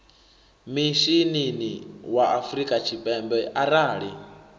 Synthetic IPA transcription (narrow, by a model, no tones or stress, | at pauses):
miʃininiwaʔafɾikʼat͡ʃʰipʼɛmbɛʔaɾaːɺi